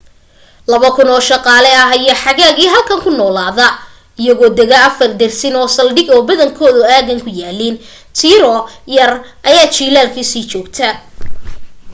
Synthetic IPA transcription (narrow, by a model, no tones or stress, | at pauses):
lɐβɐkʰʊnɔːʃɑqɑːlɛɐɦɐjɐħɑɣaːɡiːɦɐlkʰɐŋkʰʊnɔːlaːðɐ | ɪjɐɣɔːd̪ɛɣɐɐfɐrd̪ɛrsɪnɔːsɐlɖɪɡɔːbɐðɐŋkʰɔːðʊaːɣɐŋkʰʊjaːliːn | t̪ʰiːɾɔjɐrʔɐjaːt͡ʃiːlaːlkʰisiːt͡ʃɔːɡt̪ʰɐ